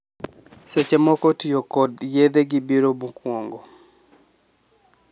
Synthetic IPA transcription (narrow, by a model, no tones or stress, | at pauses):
set͡ʃemɔkɔtijokɔd̪jed̪eɡɪbiɾomukwoŋɡo